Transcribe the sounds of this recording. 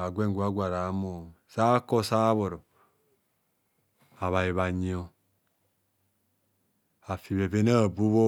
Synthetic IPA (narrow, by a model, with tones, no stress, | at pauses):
a˨ɡʷe˦ŋ˨ɡu˦a˦ɡʷa˨ɾa˨˦mo˨sa˦kɔ˦sa˦βo˨ɾɔ˨ | a˨βa˨ji˨βa˨ɲi˦o˦ | a˨fi˨βe˨ve˦na˦˨bu˦βo˦